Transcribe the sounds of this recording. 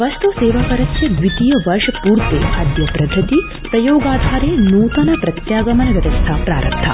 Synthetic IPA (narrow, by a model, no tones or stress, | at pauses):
ʋɐst̪useːʋakɐɾɐtjɐdʋit̪ijɐʋɐɾʂɐpuːɾt̪ḛːɐd̪jɐpɾɐd̪ʱːɐt̪i | pɾɐjoːɡaːd̪ʱaːɾeːnuːt̪ɐnɐpɾɐt̪jaːɡɐmɐnɐʋʲjɐʋɐst̪ʰaːpɾa̰ːɾɐ̰mt̪ʰa̰